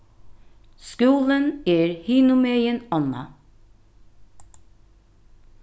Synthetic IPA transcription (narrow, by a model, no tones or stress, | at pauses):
skʉːləneːɾhiːnʊmeɪənɔnɑ̰